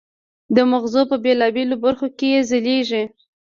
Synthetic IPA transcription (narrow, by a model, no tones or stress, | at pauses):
d̪əmaɣzopəbelɑbelobaɾxokejezəleʒi